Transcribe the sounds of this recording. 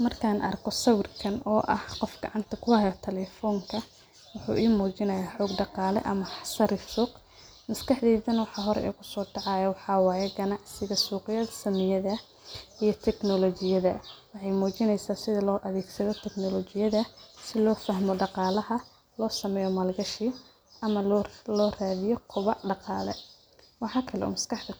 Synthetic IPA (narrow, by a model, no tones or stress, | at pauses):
mɐrkʰaːnʔɐ̰rkʰɔsɐwɪrkʰɐnɔːʔɐ̰hqɔfɡɑ̰ʕɑnt̪ʰɐkʰʊɐjɐt̪ʰɛlɛfɔːŋkʰɐ | wʊħṵːʔiːmuːt͡ʃɪnɐjaːħɔːɡ̚ɖɑqɑːlɛ̰ʔɐmɐħsɐɾɪfsuːq | mɐskɑħd̪iːðɐnwɑħɑːɦɔɾɛ̰ʔɛ̰kʰʊsɔːɖɑʕɑjɐwɑħɑːwɑːjɛɡɐnɑʕsɪɣɐsuːqɪjɐðɐsɐmɪjɐðɐ | ijɞt̪ʰɛknɔlɔt͡ʃɪjɐðɐwɑħɑjmuːt͡ʃɪnɛjsaːsɪðɐlɔːʔɐðɛːɡsɐðɔt̪ʰɛknɔlɔt͡ʃɪjɐðɐsɪlɔːfɐɦmɔɖɑqɑːlɐɦɐ | lɔːsɐmɛːjɔmɐːlɡɐʃiː | ʔɐmɐlɔːraːðɪjɔqʰʊβɑɖɑqɑːlɛ̰ | wɑħɑːkʰɐlɛ̰ṵːmɐskʰɑħd̪ɐ